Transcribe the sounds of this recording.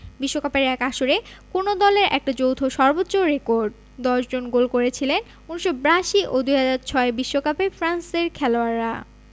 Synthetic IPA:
biʃːokapeɾɛkaʃoɾekonod̪ɔleɾʔɛ̰k̚ʈad͡ʑowt̪ʰoʃɔɾbotːɕoɾekoɾɖ | d̪ɔʃd͡ʑonɡolkoɾet͡ɕʰilen | uniʃobɾaʃiʔod̪ujɦad͡ʑaɾt͡ɕʰɔebiʃːokapefɾanseɾkʰɛloaɾːa

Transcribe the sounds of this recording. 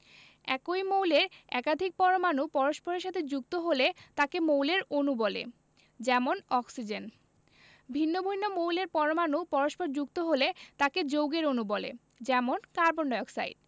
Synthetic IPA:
ɛkojmowleɾɛkad̪ʱik̚pɔɾomanupɔɾoʃpoɾeɾʃat̪ʰed͡ʑukt̪oɦolet̪akemowleɾonubɔlḛ | d͡ʑɛmonɔksid͡ʑen | bʱinːobʱujnːomowleɾpɔɾomanupɔɾoʃpoɾd͡ʑukt̪oɦolet̪aked͡ʑowɡeɾonubɔlḛ | d͡ʑɛmonkaɾboɳɖɔeoksa̰jɖ

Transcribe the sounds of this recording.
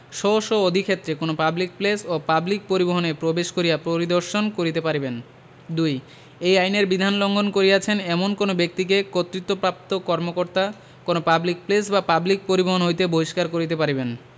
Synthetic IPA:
ʃɔoʃood̪ʱikʰet̪ːɾekonopablik̚plesopablik̚poɾiboɦonepɾobeʃkoɾijapɾoɾid̪oɾʃonkoɾit̪epaɾiben | d̪uj | ejajneɾbid̪ʱanloŋɡʱonkoɾijat͡ɕʰenɛmonkonobek̚t̪ikekot̪ːɾit̪ːopɾap̚t̪okɔɾmokoɾt̪a | konopablik̚plesbapablik̚poɾiboɦonɦojt̪eboiʃkaɾkoɾit̪̬epaɾiben

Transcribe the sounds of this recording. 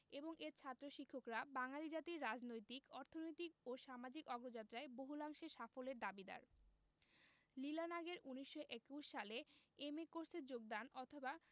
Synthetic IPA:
eboŋʔeɾt͡ɕʰat̪ːɾoʃikʰːokɾabaŋalid͡ʑat̪iɾːad͡ʑnojt̪ikɔɾt̪ʰonojt̪ikoʃamad͡ʑikɔɡɾod͡ʑat̪ːɾaeboɦulaŋʃeɾʃafoleɾd̪abid̪a̰ɾ | lilanaɡeɾuniʃːoʔekuʃʃaleemekoɾseɾd͡ʑoɡ̚d̪anɔt̪ʰoba

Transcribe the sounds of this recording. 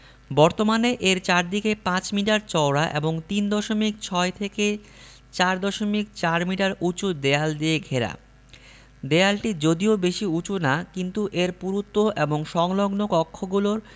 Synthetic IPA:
bɔɾt̪omaneʔeɾt͡ɕaɾd̪ikepãt͡ɕmiʈaɾt͡ɕɔwɾaʔḛboŋt̪ind̪ɔʃomik̚t͡ɕʰɔet̪ʰeke | t͡ɕaɾd̪ɔʃomik̚t͡ɕaɾmiʈaɾʔut͡ɕud̪eald̪ieɡʱeɾa̰ | d̪ealʈid͡ʑod̪iobeʃiut͡ɕunakint̪uʔeɾpuɾut̪ːoʔeboŋʃɔŋloɡnokɔkʰːoɡuloɾ

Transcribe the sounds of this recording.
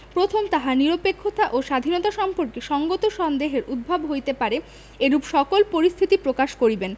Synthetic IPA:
pɾot̪ʰomt̪aɦaniɾopekʰːot̪aʔoʃad̪ʱinot̪aʃɔmpoɾkeʃɔŋɡot̪oʃɔnd̪eɦeɾʔud̪̚bʱabɦojt̪epaɾe | eɾupʃɔkolpoɾist̪ʰit̪ipɾokaʃkoɾiben

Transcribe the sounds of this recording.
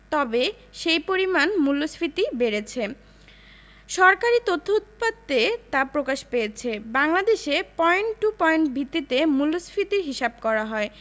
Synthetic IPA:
t̪ɔbe | ʃejpoɾimanmulːosfɾit̪ibeɾet͡ɕʰe | ʃɔɾkaɾit̪ot̪ʰːout̪̚pad̪et̪apɾokaʃpejet͡ɕʰebaŋlad̪eʃepɔeɳʈʈupɔeɳʈbʱit̪ːit̪emulːosfʰɾit̪iɾɦiʃab̚kɔɾaɦɔe

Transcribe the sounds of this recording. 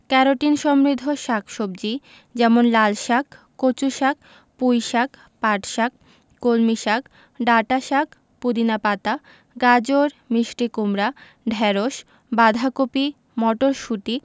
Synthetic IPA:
kɛɾoʈinʃɔmɾid̪ʱːoʃakʰʃob̚d͡ʑi | d͡ʑɛmonlalʃak | kot͡ɕuʃak̚ | pujʃak | paʈʃak̚ | kolmiʃak | ɖaʈaʃak | pud̪inapat̪a | ɡad͡ʑoɾmiʃʈikumɾa | ɖʱɛɾoʃ | bad̪ʱakopi | mɔʈoɾʃuʈi

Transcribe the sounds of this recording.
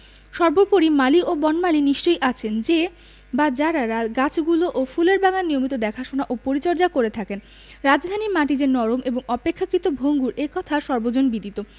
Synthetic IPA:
ʃɔɾboɾpoɾimaliʔobɔnmaliniʃt͡ɕojʔat͡ɕʰend͡ʑe | bad͡ʑaɾaɾɡat͡ɕʰɡuloʔofuleɾbaŋanniomit̪̬od̪ɛkʰaʃonaʔopoɾit͡ɕɔɾd͡ʑakoɾet̪ʰaken | ɾad͡ʑd̪ʱanimaʈid͡ʑenɔɾomʔeboŋɔpekʰːakɾit̪obʱoŋɡuɾʔekɔt̪ʰaʃɔɾbod͡ʑonbid̪it̪o

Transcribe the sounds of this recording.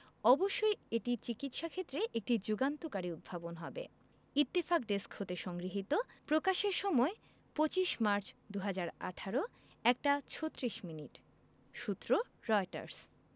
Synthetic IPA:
ɔboʃːojeʈit͡ɕikit̪ʃakʰet̪ːɾeʔek̚ʈid͡ʑuɡant̪okaɾiud̪̚bʱabonɦɔbḛ | it̪ːifakɖeskhot̪eʃɔŋɡɾiɦit̪opɾokaʃeɾʃɔmɔe | pot͡ɕiʃmaɾt͡ɕd̪uɦad͡ʑaɾa̰ʈʰaɾo | ɛk̚ʈat͡ɕʰot̪ːɾiʃminiʈ | ʃut̪ːɾo | ɾɔeʈa̰ɾs

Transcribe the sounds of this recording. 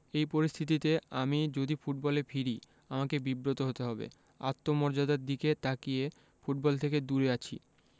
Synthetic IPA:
ejpoɾist̪ʰit̪̬it̪eamid͡ʑod̪ifuʈ̚bɔlefʰiɾi | amakebibɾot̪oɦot̪eɦɔbḛ | a̰t̪ːomɔɾd͡ʑad̪aɾd̪iket̪akije | fuʈ̚bɔlt̪ʰeked̪uɾeat͡ɕʰḭ

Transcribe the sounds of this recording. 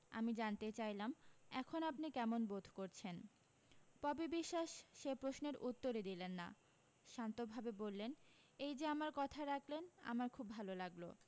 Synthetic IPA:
a̰mid͡ʑant̪et͡ɕajlamɛkʰonapnikɛmonbod̪ʱkoɾt͡ɕʰen | pɔbebiʃːaʃʃepɾosneɾut̪ːoɾed̪ilenːa̰ | ʃant̪obʱabebolːen | ejd͡ʑeamaɾkɔt̪ʰaɾakʰlena̰maɾkʰubːʱalolaɡlo̰

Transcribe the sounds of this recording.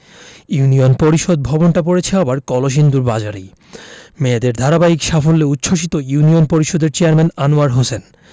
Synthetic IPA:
junionpoɾiʃod̪̚bʱɔbonʈap̬oɾet͡ɕʰeabaɾkɔloʃ̬ind̪uɾbad͡ʑaɾi | med̪eɾd̪ʱaɾabaikʃafolːeut̪ːɕʰoʃit̪ojunionpoɾiʃod̪eɾt͡ɕeaɾmenanuaɾɦosen

